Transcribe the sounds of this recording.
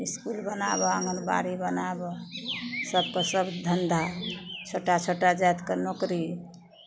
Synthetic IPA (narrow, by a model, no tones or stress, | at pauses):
iskulbənabɔəŋɡənba̰ɾibənabɔ | səb̚kəsəbd̪ʱənd̪ʱat͡ʃʰoʈat͡ʃʰoʈad͡ʒat̪kenokɾi